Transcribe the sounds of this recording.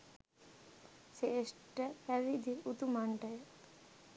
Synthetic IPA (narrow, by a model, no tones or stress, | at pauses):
sesʈəpæʋid̪iut̪umaɳʈɐjə